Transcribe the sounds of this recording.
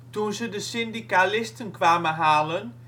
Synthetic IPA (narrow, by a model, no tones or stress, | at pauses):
tunzədəsɪndikalɪstənkʋaːməɦaːlən